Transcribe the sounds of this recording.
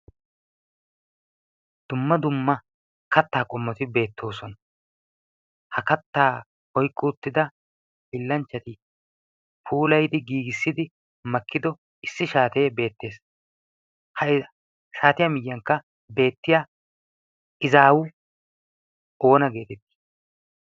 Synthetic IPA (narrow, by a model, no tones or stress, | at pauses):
d̪̥ʊmːɐd̪ʊmːɐ | kɐt̪ːaːkʼɔmːɔt̪ɪbe̞ːt̪ʰːo̞ːsɔnɐ | hɐkɐt̪ːaː | ɔjkʼːʊʊt̪ːɪd̪ɐ | bɪlːɐnt͡ʃːɐt̪ɪ | pʰuːlɐjd̪ɪɡiːɡɪsːɪd̪ɪ | mɐkːɪd̪ɔ | ɪsːɪʃaːt̪e̞ːbe̞ːt̪ːe̞ːs | hɐ | ʃaːt̪ɪjɐmɪjːɐŋkːɐ | be̞ːt̪ːɪjaː | ɪzaːwʊ | o̞ːnɐɡe̞ːt̪ɛt̪ːi̥